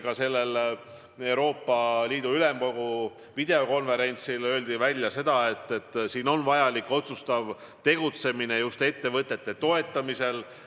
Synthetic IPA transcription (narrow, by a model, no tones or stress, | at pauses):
kɑse̞lːe̞l | e̞wɾo̞ːpːɑliːd̪̥uyle̞mko̞ɡ̥u | vid̪̥e̞o̞ko̞nve̞ɾe̞nʲt̪silø̞ːld̪ivælʲjɑse̞d̪̥ɑe̞t̪ːe̞t̪ːˑsiːno̞nvɑjɑlikːo̞t̪sust̪ɑv | t̪e̞ɡ̥ut̪se̞mine̞just̪e̞t̪ːe̞vɤt̪ˑːe̞t̪ːe̞t̪o̞e̞t̪ˑːɑmise̞l